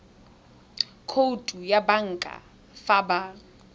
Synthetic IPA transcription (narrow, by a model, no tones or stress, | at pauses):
kʰotʼujabaŋ̩kʼa̰ | faːba